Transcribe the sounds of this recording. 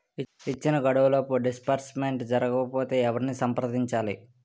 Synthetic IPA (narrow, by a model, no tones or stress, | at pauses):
it͡ʃːinɐɡɐɽɐʋɐloːpuɖispɐɾsmeɳʈd͡ʒɐɾɐɡɐkɐpo̞ːt̪e̞ːɛʋɐɾinisɐmpɐɾɐd̪iɲt͡ʃaːlḭ